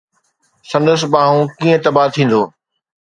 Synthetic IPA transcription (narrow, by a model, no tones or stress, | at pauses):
sɐ̃nd̪əs̆bãːɦũkiːə̃t̪ɐbaːt̪ʰĩːn̆d̪oː